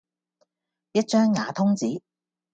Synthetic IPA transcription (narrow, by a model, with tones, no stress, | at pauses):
jɐ˥t̚t͡ʃœː˥ŋːaː˨˧t̪ʰʊ˥ŋt͡siː˨˥